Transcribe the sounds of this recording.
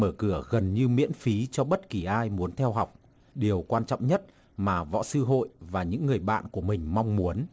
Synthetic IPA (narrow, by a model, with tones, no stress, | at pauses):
məː˧˩kɨ˧˩əɣə˨˩nɲɨ˧mḭ˧˥ənfi˨˦t͡ɕɔ˧ɓə˦˥t̚ki˨˩ʔaː˧jmu˨˦ənt̪ʰɛ˧wɦa˨˩wk͡p̚ | ɗi˨˩əwkwaː˧nt͡ɕɔ̰˧˨wŋ͡mɲə˦˥t̚ | maː˨˩vɔ̰˧˥sɨ˧ɦo̰˧˨jvaː˨˩ɲɨ̰˧˥ŋːɨ˨˩əjɓa̰ː˧˨nku˧˩əmï˨˩ŋ̟ma˧wŋ͡mmu˨˦ən